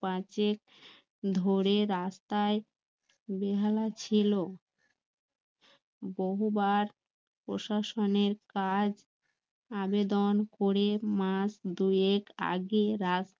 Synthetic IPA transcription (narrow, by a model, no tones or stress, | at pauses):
pãt͡ɕek̚ | d̪ʱoɾeɾast̪ae | beɦalat͡ɕʰilo | boɦubaɾ | pɾoʃaʃoneɾkad͡ʑ | abed̪onkoɾemasd̪ueka̰ɡeɾas